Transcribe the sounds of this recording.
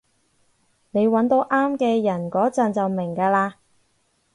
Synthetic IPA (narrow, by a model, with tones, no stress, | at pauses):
ne˨˧jwɐ˨˥nt̪o˧wʔaː˥mkɛː˧jɐ˨˩nkɔː˨˥t͡sɐ˨nt͡sɐ˨wmɪ˨˩ŋkaː˧laː˧